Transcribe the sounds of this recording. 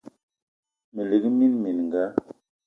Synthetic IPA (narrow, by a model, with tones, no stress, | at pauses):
mə˨li˨ɡi˦mi˦nmi˨n˨ŋ˨ɡa˦